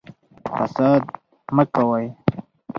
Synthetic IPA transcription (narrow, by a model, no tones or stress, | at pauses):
fɐ̰saːd̪ | məkawaj